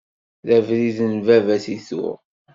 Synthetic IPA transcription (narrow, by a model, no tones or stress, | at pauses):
ðævɾiðənvævæsiθʊ̰ʁ